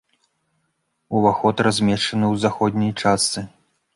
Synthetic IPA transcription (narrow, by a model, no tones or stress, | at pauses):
uvaxɔt̪razʲmʲɛʂt͡ʂɐnɨwzaxɔd̪ʲnʲijt͡ʂast̪sɨ